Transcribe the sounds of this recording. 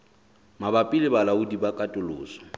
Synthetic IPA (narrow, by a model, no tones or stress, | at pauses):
mabapʼilɪbalaʊdibakʼatʼʊlʊ̰ːsɔ̥